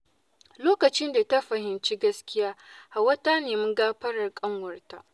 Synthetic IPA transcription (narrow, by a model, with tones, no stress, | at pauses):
loː˦kɐ˨t͡ʃɪ˦nda˨ta˦ɸɐ˨hɪ˨nt͡ʃi˦ɡɐ˦skʲɪ˦jaː˦ha˨wɐ˦ta˦neː˨mɪ˦ŋɡaː˦ɸɐ˦ɽɐ˨rkʼɐ˦ŋwɐ˨rta˨ʔ